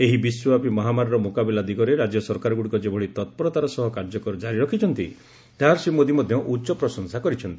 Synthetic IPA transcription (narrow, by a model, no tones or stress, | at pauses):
eɦibiswɔbapimɔɦamaɾɔɾɔmokabilad̪iɡɔɾeɾad͡ʒjɔsɔɾkaɾɔɡuɽikɔd͡ʒebʱɔɽit̪ɔt̪̚pɔɾɔt̪aɾɔsɔɦɔkaɾd͡ʒɔkɔɾɔd͡ʒaɾiɾɔkʰit͡ʃʰɔnt̪i | t̪aɦaɾsimod̪imɔd̪ʱjɔʔutːt͡ʃɔpɾɔsɔŋsakɔɾit͡ʃʰɔnt̪i